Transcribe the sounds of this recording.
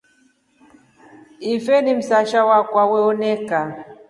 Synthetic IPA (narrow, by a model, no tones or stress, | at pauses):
ifɛnim̩saʃawakwawɛɔnɛka